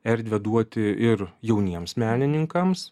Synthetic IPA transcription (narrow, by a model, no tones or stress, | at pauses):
ɛɾʲd̪ʲʋʲɛd̪uɔt̪ʲɪɪɾjɛʊnʲiɛmsmʲæːnʲɪnʲɪŋkɐms